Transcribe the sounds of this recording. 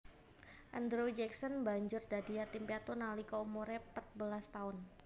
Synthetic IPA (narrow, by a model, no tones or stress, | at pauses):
ʔand̪ɾod͡ʒɛksɔnbaɲd͡ʒʊrdadiat̪impiat̪onalikoumuɾɛpət̪̚bəlast̪aʊn